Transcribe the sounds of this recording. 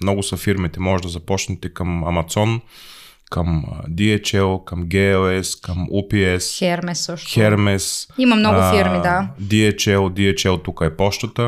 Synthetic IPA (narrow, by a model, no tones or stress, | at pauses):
mnɔɡʊsɐfiɾmit̪ɛmɔʒeʒd̪ɐzɐpɔt͡ʃnɛt̪ɛkɐmɐmat̪sɔn | kɐmd̪iɛt͡ʃɛlˠkɐmɡɛɛlɛskɐmupiɛsxɛɾmɛsoʃxɛɾmɛsimɐmnɔɡʊfiɾmid̪ad̪iɛt͡ʃɛlˠd̪iɛt͡ʃɛlˠt̪ukəɛpɔʃt̪ɐt̪ə